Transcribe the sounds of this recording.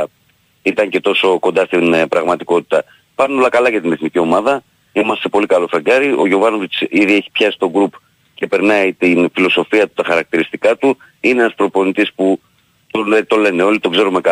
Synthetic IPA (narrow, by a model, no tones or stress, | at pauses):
it̪ɐɲce̞t̪o̞so̞ko̞nd̪ɐst̪inpɾɐɣmɐt̪iko̞t̪i̥t̪ɐ | pɐɾno̞lɐkɐlɐʝɐt̪ine̞θnicio̞mɐðɐ | imɐst̪e̞po̞likɐlo̞feɡɐɾiʔo̞ʝo̞vɐno̞vit͡siðie̞çi̥pçɐsi̥st̪o̞ɡɾup | ce̞pe̞ɾnɐit̪infilo̞so̞fiɐt̪u̥t̪ɐxɐɾɐk̚t̪iɾist̪ikɐt̪u | inee̞nɐspɾo̞po̞nit̪ispu | t̪onet̪o̞le̞ne̞o̞lit̪o̞ɡze̞ɾumekɐ